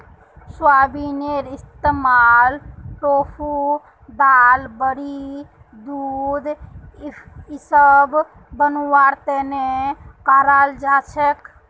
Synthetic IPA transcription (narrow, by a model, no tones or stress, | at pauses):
swabineɾist̪emalʈopʰu | d̪albəɾi | d̪ud̪ | isəb | bənuwaɾt̪enekaɾald͡ʒat͡ʃʰek